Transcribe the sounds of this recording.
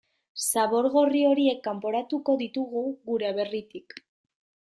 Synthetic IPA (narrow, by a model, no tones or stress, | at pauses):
saβo̞ɾɣo̞rio̞ɾie̞kːampo̞ɾat̪uko̞ðit̪uɣuɣuɾeaβe̞rit̪ik